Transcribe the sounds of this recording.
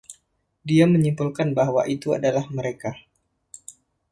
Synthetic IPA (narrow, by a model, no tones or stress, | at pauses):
diaməɲimpulkanbaɦwa̰ʔit̪ua̰dalahməɾeka